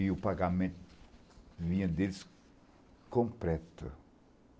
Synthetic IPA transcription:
iʊpaɡamẽt̪ | vĩɲɐ̃d̪elɪs | kõmpɾɛt̪ɐ̰

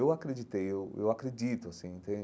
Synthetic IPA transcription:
ewakɾed͡ʒit̪ejewḛwakɾed͡ʒit̪ʊasĩẽnt̪ẽ

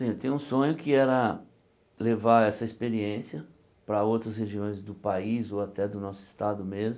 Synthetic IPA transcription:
sĩt̪ẽũsõɲʊkɪɛɾɐ | levaɾɛsɐispeɾiẽsiɐ | pɾɐowt̪ɾɐsheʒiõj̃zd̪ʊpaizoat̪ɛd̪ʊnɔsʊɪ̥st̪ad̪ʊmezm

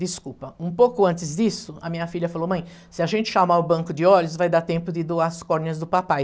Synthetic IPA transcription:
d̪ɪskupɐũpokʊɐ̃nt̪ɪzd̪isʊɐmĩɲɐfiʎɐfalomɐ̃j̃ | sɪaʒẽnt͡ʃ̪ɪ̥ʃamaʊbɐ̃ŋkʊd̪ɪɔlʊs̬vajd̪aɾt̪ẽmpʊd̪ɪd̪oaɾɐskɔɾnɪɐzd̪ʊpapaj

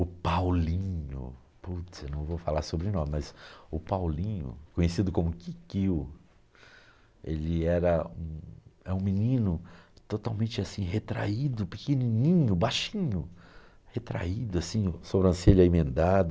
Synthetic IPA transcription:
ʊpawlĩɲʊ̰ | put̪sewnɐ̃w̃vowfalaɾsobɾɪnɔ̃mɪmɐzʊpawlĩɲʊ̰kõɲesid̪ʊkõmʊkikiw | elɪɛɾɐũɛũminĩnʊt̪ot̪awmẽnt͡ʃɪasĩhet̪ɾa̰id̪ʊpikenĩnĩɲʊbajʃĩɲʊ | het̪ɾa̰id̪ʊasĩʊsobɾɐ̃sẽlʊɐimẽnd̪ad̪ʊ

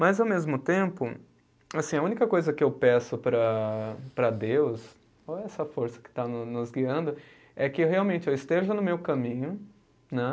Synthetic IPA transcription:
mɐzawmezmʊt̪ẽmpʊ | asĩɐũnikɐkojzɐkɪewpɛsʊpɾɐpɾɐd̪ews | oɛsɐfoɾsɐ̥kɪ̥t̪anʊnʊzɡiɐ̃nd̪ʊ | ɛkɪɦeawmẽnt͡ʃɪewɪst̪eʒɐnʊmewkɐmĩɲʊ | nɛ

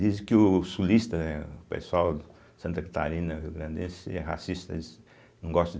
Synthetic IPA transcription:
d̪izkɪusuliʃt̪ɐnɛpɐ̰swawd | sɐ̃nt̪ɐkɐt̪a̰ɾinɐiɣɾɐ̃nd̪ẽsɛʁa̰siʃt̪ɐ̰ | nɐ̃w̃ɡɔʃt̪

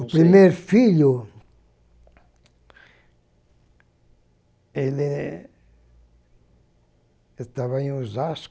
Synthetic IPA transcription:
upɾimeɾfiʎʊ | ele | est̪avaẽj̃ũzas

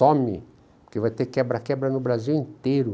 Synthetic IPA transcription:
õmɪ̰ | pʊkevajt̪ekɛbɾɐkɛbɾɐnʊbɾaziwĩnt̪eɾʊ

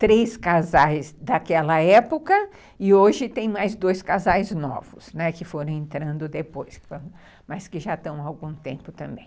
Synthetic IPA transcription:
t̪ɾejskazajzd̪akɛlɐɛpokɐ | ɪoʒɪt̪ẽj̃majzd̪ojskazajznɔ̰vʊsnɛkɪfoɾɐ̃w̃ẽnt̪ɾɐ̃nd̪ʊd̪epojskf | mɐskɪʒat̪ɐ̃w̃awɡũt̪ẽmpʊt̪ɐ̃mbḛ̃j̃

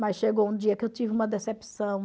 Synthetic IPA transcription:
mɐsʃeɡoũd͡ʒiɐkɪewt͡ʃivɪũmɐd̪esepsɐ̃w̃

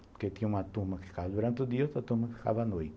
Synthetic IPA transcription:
poket̪ĩɲɐũmɐt̪umɐkɪ̥fi̥kavɐd̪uɾɐ̃nt̪ɪʊd̪iɐot̪ɾɐt̪umɐkɪfi̥ka̰vɐnojt̪ɪ

